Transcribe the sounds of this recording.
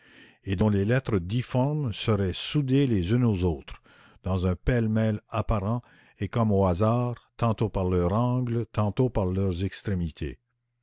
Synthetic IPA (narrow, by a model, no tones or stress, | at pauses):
ed̪ɔ̃lelɛt̪ʁəd̪ifɔʁmsəʁɛsud̪elezỹnozoːt̪ʁ | d̪̥ɑ̃zɛ̃pɛlmɛlapaʁɑ̃ | ekɔmoazaːʁt̪ɑ̃t̪opaʁlœʁɑ̃ɡlət̪ɑ̃t̪opaʁlœʁzɛkst̪ʁemit̪ʰḛ